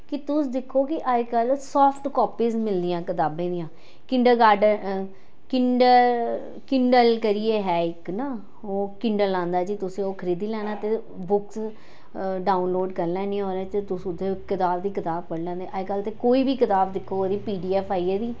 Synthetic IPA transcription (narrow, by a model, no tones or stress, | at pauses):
kɪt̪ʊsd̪ɪkʰːoːkɪʔajkəlsɔːpʰʈkɔːpiːzmɪld̪ɪjãːkɪt̪aːbẽːd̪ijãː | kɪ̃ɳɖəɡaːɖə | kɪɳɖə | kɪɳɖəlkəɾiːeːɦɛːɪknaː | oːkɪɳɖəlːãːnd̪aːd͡ʒiːt̪ʊsẽːoːkʰəɾiːd̪iːlɛːnaːt̪eː | bʊks | ɖaːʊnloːɖkəɾlɛ̃ːnĩːɦoːɾẽːt̪eːt̪ʊsʊd̪eːkɪt̪aːbd̪iːkɪt̪aːb̚pəɽd͡ʒãːnd̪eːʔajkəlt̪ekoːiːbiːkɪt̪aːbd̪ɪkʰːoːoɾiːpiːɖiːɛːpʰaːiːed̪iː